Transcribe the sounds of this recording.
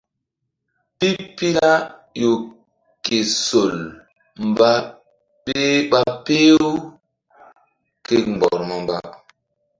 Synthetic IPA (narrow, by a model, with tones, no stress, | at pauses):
pi˦pi˦la˦jo˨ | ke˨so˨l | mba˦ | pe˦ɓa˦pe˦w | ke˦m˨ɔ̰˨ɾma˦mba̰˦